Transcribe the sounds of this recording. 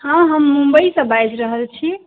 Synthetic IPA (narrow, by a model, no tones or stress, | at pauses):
hãɦəmːũmbəisə̃bajd͡ʒɾəɦəlt͡ʃʰi